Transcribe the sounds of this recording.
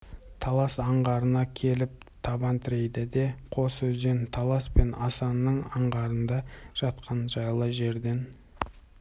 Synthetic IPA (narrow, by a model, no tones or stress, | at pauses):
t̪ʰɑlˠɑsɑɴʁɑɾənɑkʲʰe̞lɪp̚ | t̪ʰɑbɑnt̪ʰɪɾe̞jd̪ɪd̪e̞qʰo̞sɵzd̪ent̪ʰɑlˠɑspe̞nɑsɑnːəɴɑɴʁɑɾənd̪ɑʒ̥ɑt̪qɑnʒɑjlˠəʒe̞ɾd̪e̞n